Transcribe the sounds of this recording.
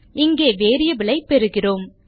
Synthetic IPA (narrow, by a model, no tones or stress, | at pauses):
ɪŋɡeːʋeːɾɪjɐʋɪlɐɪpɛɾɯɣɪroːm